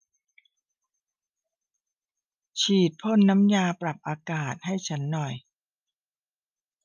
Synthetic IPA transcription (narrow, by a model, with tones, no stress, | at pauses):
t͡ɕʰiː˨˩t̪̚pʰo˥˩nːa˦˥mjaː˧pɾa˨˩p̚ʔaː˧kaː˨˩t̪̚ha˥˩jt͡ɕʰa˦˥nːɔ˨˩j